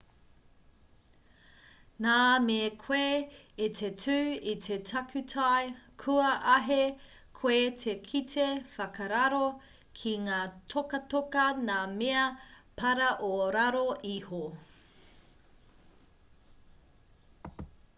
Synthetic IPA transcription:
naːmekʰwe | it̪ʰetʰʉːit̪ʰetʰɐkʰʉtʰajkʰuɐʔɐɦe | kʰwetʰekʰitʰefɐkɐɾɐɾo | kʰiŋaːtʰokɐtokɐnaːmeɐpʰɐɾɐʔoɾaɾoʔiho

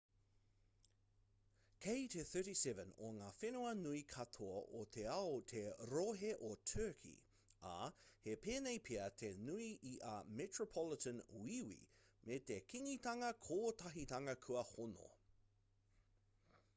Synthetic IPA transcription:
kʰejtʰeθɜ˞ɾisɛvə̃no̰ŋaːfenuɐnuikʰɐt̪ʰoɐʔot̪ʰeɐot̪ʰeɾoɦeʔotʰɜːkʰḭ | a̰hepeːnejpʰiɐt̪ʰenuiiʔamɛtɹopʰɔlɪtə̃nwiwḭmet̪ekʰiŋit̪ɐŋɐkʰoːt̪ɐɦit̪ɐŋɐkʰuɐhono̰

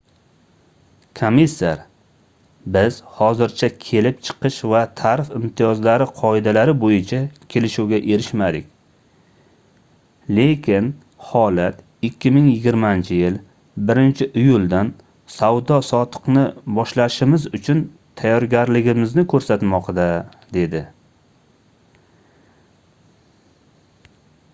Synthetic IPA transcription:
kʰomisːaɾ | bɪz̥hɒzɪɾt͡ʃʰakʲʰe̞lɪp̚t͡ʃʰɨ̥qʰɨʃvat̪ʰaɾɪfɪmt̪ʰijɒzlaɾɪqʰɒɪd̪alaɾɪbojɪt͡ʃʰakʲʰe̞lɪʃuwɡʲaʔe̞ɾɪʃmad̪ɪkʲ | le̞kʲʰɪn | hɒlat̪ | ɪkʲːɪmɪŋjɪɡʲɪɾmant͡ʃʰɪjɪl | bɪɾɪnt͡ʃʰɪʔɪjʊlˠd̪an | sawd̪ɒsɒt̪ʰɨ̥qnɪbɒʃlaʃɪmɪzʊt͡ʃʰʊn | t̪ʰajːɒɾɡʲaɾlɪɡʲɪmɪznɪkʰɵɾsat̪mɒqd̪a | d̪e̞d̪ɪ

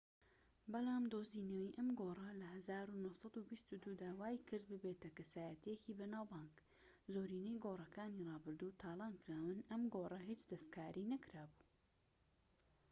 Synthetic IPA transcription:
bɐlˠɑːmd̪oːzinɐwiːʔɐmɡorɐlɐhɐzaːɾunosɐd̪ubist̪ud̪ud̪aːwaːjkʰɨɾd̪̚bɨbeːt̪ɐkɐsaːjɐt̪ʰijeciːbɐnaːwbɑːŋk | zoːɾiːnejɡoːrˤɐkaːnirɑːbɨɾd̪uːt̪ʰaːlˠɑːnkɾaːwɨnɐmɡoːrˤɐɦit͡ʃd̪ɐst̪kʰaːɾʔinɐkɾaːbu̥ː

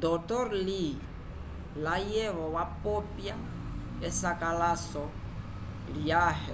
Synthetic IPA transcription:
d̪ɔtɔɾli | lajɛβɔwapɔpja | ɛsakalasɔ | liahɛ

